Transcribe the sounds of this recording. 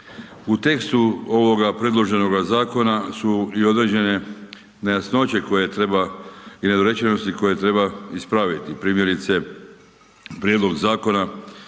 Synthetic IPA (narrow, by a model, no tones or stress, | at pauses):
ut̪e̞kst̪uo̞ʋo̞ɡapɾe̞d̪lˠo̞ʒe̞no̞ɡazaːko̞nasuio̞d̪ɾeːd͡ʑe̞ne̞ | najasno̞t͡ɕe̞ko̞je̞t̪ɾebaine̞d̪oɾe̞t͡ɕeno̞st̪iko̞je̞t̪ɾe̞baispɾaʋit̪ipɾiːmje̞ɾit̪se̞ | pɾjed̪lˠo̞ɡzaːko̞na